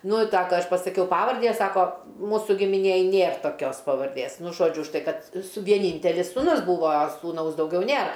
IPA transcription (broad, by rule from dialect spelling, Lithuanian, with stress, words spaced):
ˈnʊ ɪ ˈsɑːkɐ ˈɐʃ pɐsɐˈkʲɛʊ ˈpɑːʋɐrʲdʲiː ˈjiɛ ˈsɑːkoː ˈmuːsʊ ɡʲɪmʲɪˈnʲeːj ˈnʲeːr toːˈkʲoːs pɐʋɐrʲˈdʲeːs ˈnʊ ˈʒoːd͡ʒʲʊ ʊʃ ˈtɐɪ ˈkɐt sʊ ʋʲiɛˈnʲiːnʲtʲɛlʲɪs suːˈnʊs ˈbuːʋoː sʊˈnɐʊs dɐʊˈɡʲɛʊ ˈnʲeːr